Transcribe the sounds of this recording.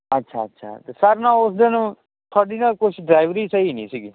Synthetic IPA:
ətːʃʰaːətːʃʰa̰ːt̪esəɾnãːʊs̬d̪eñː | t̪ʰaːɖiːnãːkʊt͡ʃʰɖɾaːɪʋɾiːsəinḭ̃ːsiːɡi

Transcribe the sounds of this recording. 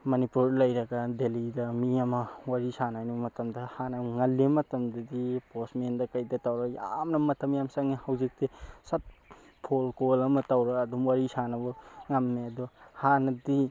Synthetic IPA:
mɐnipuɾlɐjɾɐɡadelidɐmiɐmɐwaɾisanajnumɐtɐmdɐhanɐŋɐlːemɐtɐmdɐdiposmendɐkajdɐtawɾɐja̰mnɐmɐtʰɐmjamsaŋihawzik̚tisɐt̚ | pʰolkolɐmɐtawɾɐkɐdumwaɾisanɐbɔŋamːeɐdɔhanɐdi

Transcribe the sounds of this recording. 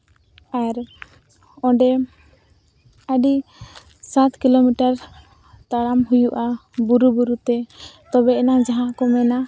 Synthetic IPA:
aɾ | ɔ̃ɖɛ | əɖi | sat̪kilomiʈaɾ | t̪aɽamɦujuʔabuɾubuɾut̪ɛt̪ɔbɛɛnaŋd͡ʒaɦãʔkɔmɛna

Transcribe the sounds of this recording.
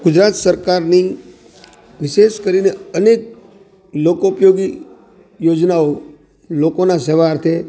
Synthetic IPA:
ɡ̥ʊd͡ʒɾat̪səɾkaɾni | ʋɪʃeʃkəɾineənek̚ | lokopjoɡi | jod͡ʒnao | lokonaseʋaːɾt̪ʰe

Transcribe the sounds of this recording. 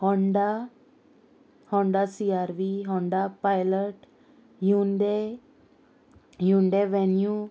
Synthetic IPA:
hɔɳɖa | hɔ̃ɳɖasiaɾʋiɦɔ̃ɳɖapajləʈ | junɖe | juɳɖeʋɛnju

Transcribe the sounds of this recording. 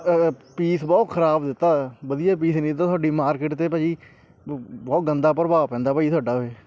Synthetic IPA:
piːsbɔːt̪kʰəɾaːbd̪ɪt̪ːaːbəd̪ijaːpiːsnĩːd̪t̪ːaːt̪ʰoaːɖiːmaːɾkeːʈt̪eːpaːiː | bɔːt̪ɡənd̪aːpəɾəbaːpɛ̃ːnd̪aːpaːit̪ʰʊaːɖaːeː

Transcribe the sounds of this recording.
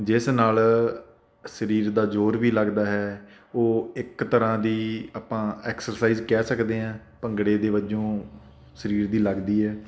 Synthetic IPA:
d͡ʒɪsnaːl | səɾiːɾd̪aːd͡ʒoːɾʋiːləɡd̪aːɦɛː | oːɪkt̪əɾãːd̪iːaːpãːɛːksəɾsaːiːzkɛːsəkd̪eːɦãːpəŋɡɽeːd̪eːʋəd͡ʒõː | səɾiːɾd̪iːləɡd̪iːɦɛː

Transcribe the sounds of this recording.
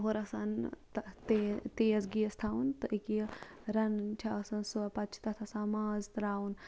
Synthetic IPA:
ɦoɾɐsant̪ɐt̪et̪eːɐsɡiɐst̪ʰaːunt̪ɨʔiki | ɾɐnt͡ʃʲʰasɐnsuɐpɐtt͡ʃʰt̪ɐt̪ʰɐsaːmaːzt̪ɾaːun

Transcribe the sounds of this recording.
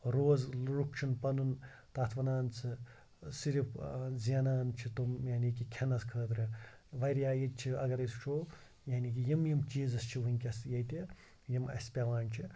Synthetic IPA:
ɾoːzlɾukʃʰɐnpɐnun | t̪aːt̪ʰʋɐnaːnt͡sʰɨ | siɾipzjanaːnt͡ʃʰit̪omjaːniːkikʲʰenɐskʰəːd̪ɾɐʋɐɾjaːjit͡ʃʰiɐɡɐɾɐst͡ʃʰoː | jaːniːkijimjimt͡ʃiːzɐst͡ʃʰiʋuinʲkʲɐsjɐjt̪e | jimɐ̰sʲpʲaʋaːnt͡ʃʰi

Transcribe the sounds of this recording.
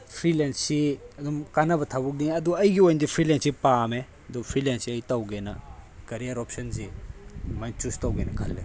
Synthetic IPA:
pʰɾilensiɐdumkanɐbɐtʰabuk̚niɐduɐjɡiojndipʰɾilensipame | ɐdupʰɾilensiɐjtawɡenɐkɐɾiaɾɔpsɐnzi | majnt͡ʃustawɡenɐkʰɐ̰lːe

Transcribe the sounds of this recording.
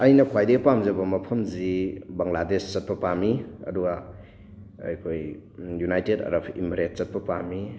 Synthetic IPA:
ɐjnɐkʰwajdepamzɐbɐmɐpʰɐmzibɐŋladest͡ʃɐt̚pɐpamiɐ̰duɡa̰ | jkʰoj | junajtedɐ̰ɾɐpʰḭmiɾet̚t͡ʃɐt̚pɐpami

